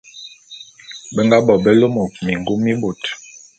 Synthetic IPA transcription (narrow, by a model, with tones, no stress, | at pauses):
bɛ˦ŋɡa˦bɔ˨bɛ˦lo˦mo˨mi˨ŋ˨ɡu˦mːi˦bo˨t